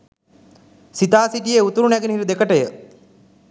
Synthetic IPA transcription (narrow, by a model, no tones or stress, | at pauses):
sit̪aːsiʈijeut̪uɾunæɡinəɦiɾid̪ekəʈəjə